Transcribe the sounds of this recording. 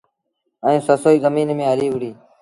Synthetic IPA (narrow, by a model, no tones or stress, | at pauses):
əĩːsəsoːiːzəmiːnmẽːɦəliːʋɪɽiː